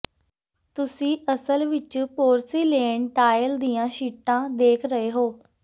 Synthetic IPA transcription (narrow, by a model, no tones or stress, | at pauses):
t̪ʊsĩːʔəsəlʋɪt͡ʃpoːɾsiːleːɳʈaːjəld̪ijãːʃiːʈãːd̪eːkʰɾəeːɦoː